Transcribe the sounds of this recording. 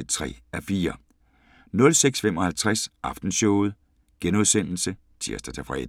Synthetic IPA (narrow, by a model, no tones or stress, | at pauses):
t͡sʰʁɛ̰ːæfiːɐ | nɔ̽lseɡ̥sfem̰ɒ̽hælt͡sʰʁasʔɑ̈fd̥n̩sɔʊð̞̩ˠ | ɡ̥enoðˠsen̰l̩sə | t͡sʰiɐsd̥ɐt͡sʰefʁɛ̰ːd̥